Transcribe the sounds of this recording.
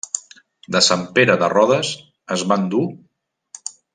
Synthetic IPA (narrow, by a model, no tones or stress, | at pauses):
d̪əsampeɾəðərɔðəs | əzβand̪u